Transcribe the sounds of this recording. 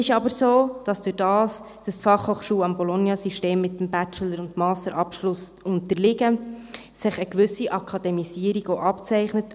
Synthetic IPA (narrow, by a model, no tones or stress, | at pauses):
ɪʃɑbəɾsoːd̥ɑsd̥ʊɾdɑːs | d̥əsfɑχhoːχʃuːɑmbɔlonjɑsiʃteːmːɪtːəmbæt͡ʃələɾʊntmɑːstəɾʔɑpʃlʊsʊntəɾlɪɡə | sɪχəkʋʏsiʔɑkʰɑd̥̪ɛmisiːəɾiɡoʔɑpt͡sɛɪχnət